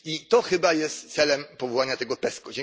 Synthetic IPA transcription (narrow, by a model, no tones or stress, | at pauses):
it̪ɔxɘbajɛst̪t̪sɛlɛmpɔvɔwaɲat̪ɛɡɔpɛskɔd͡ʑɛ